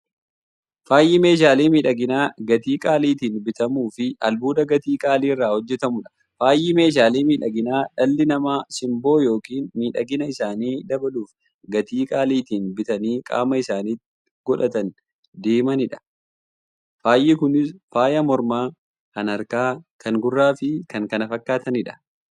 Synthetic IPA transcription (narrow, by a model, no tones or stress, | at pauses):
faːjːɪme̞ːʃ̬aːliːmiːᶑɐɡɪnaːɡɐt̪iːkʼaːliːt̪iːnbɪt̪ɐmuːfɪɐlbuːd̪ɐɡɐt̪iːkʼaːliːɪrːaːhɔd͡ʒːɛt̪ɐmʊᶑɐ̥ | faːjːɪme̞ːʃ̬aːliːmiːᶑɐɡɪnaːᶑɐlːɪnɐmaːsɪmbo̞ːjo̞ːkiːnmiːᶑɐɡɪnɐɪsaːniːd̪ɐbɐluːf | ɡɐt̪iːkʼaːliːt̪iːnbɪt̪ɐniːkʼa̰ːmɐɪsaːniːt̪ːɪ | ɡ̥ɔᶑɐt̪ɐn | d̪eːmɐnɪᶑɐ̥ | faːjːɪkʊnɪsfaːjɐmɔɾmaː | kɐnɐɾkaːkʰɐŋɡʊrːaːfɪkɐŋkɐnɐfɐkːaːt̪ɐnɪᶑɐ̥